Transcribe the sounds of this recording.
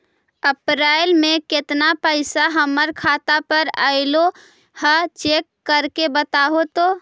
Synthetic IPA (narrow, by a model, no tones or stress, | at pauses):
əpɾaːɪlmẽkɪt̪napəɪsaɦəməɾkʰaːt̪apəɾa̰ːɪlo | hət͡ʃekːəɾkebət̪aɦot̪oː